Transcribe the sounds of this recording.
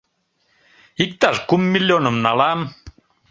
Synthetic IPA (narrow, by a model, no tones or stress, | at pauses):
ik̚t̪aʃkumːilʲːjonə̆mnalam